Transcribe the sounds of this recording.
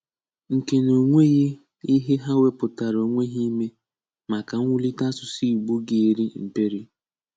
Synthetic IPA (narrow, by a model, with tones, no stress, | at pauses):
ŋ̩˨ke˨no˨ŋʷe˦ɣe˦ | i˦ɦe˦ɦa˦we˦pʊ˨ta˨ɾo˨ŋʷe˦ɦi˦me˦ | ma˨ka˨ŋ̩ʷ˦ʊ˦li˦ta˦sʊ˨si˦˨ɡ͡bu˦ɡe˨e˨ɾi˦m̩˨pe˦ɾi˦